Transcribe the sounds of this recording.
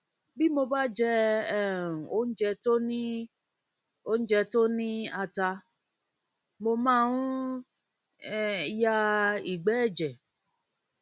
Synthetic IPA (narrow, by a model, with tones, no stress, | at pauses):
bi˦mo˧ba˦d͡ʒɛ˧ɛ˦˨ɾ̩˨o˦n̩˦d͡ʒɛ˧to˦nĩ˦ | o˦n̩˦d͡ʒɛ˧to˦nĩ˦a˧ta˧ | mo˧mãː˦˧ũ˦ | ja˧i˦˨ɡ͡bɛ˨˦ɛ˦˨d͡ʒɛ˨